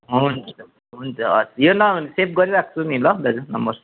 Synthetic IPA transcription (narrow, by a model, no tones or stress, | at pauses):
ɦunt͡sʰʌ | ɦunt͡sʰʌʌ̰sjonʌnisep̚ɡʌɾiɾak̚ʰt͡sʰunilʌd̪ʌɾunʌmbʌɾs